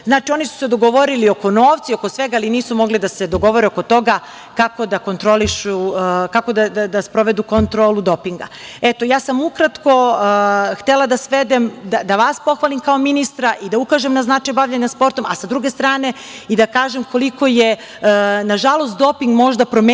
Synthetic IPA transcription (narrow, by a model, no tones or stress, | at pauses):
znaːt͡ʃio̞nisu̥sed̪o̞ɡoʋo̞ɾilio̞ko̞noːʋt̪sio̞ko̞sʋeɡaaliniːsumo̞ɡlid̪ase̞d̪o̞ɡo̞ʋo̞ɾeoko̞t̪o̞ɡa | kako̞d̪ako̞nt̪ɾoliʃukako̞d̪ad̪ad̪aspɾoʋed̪uko̞nt̪ɾoːlud̪o̞piŋɡaet̪ojaːsamukɾat̪ko̞ | xt̪elad̪asʋed̪emd̪ad̪aʋaspo̞xʋaːlˠimkao̞minist̪ɾaʔid̪aukaʒemnaznat͡ʃajbaʋʎaɲaspo̞ɾt̪o̞ma̰sad̪ɾuɡe̞st̪ɾaːne̞ | id̪akaːʒemko̞liko̞je | naʒalˠost̪̚d̪o̞piŋɡmo̞ʒd̪apɾo̞me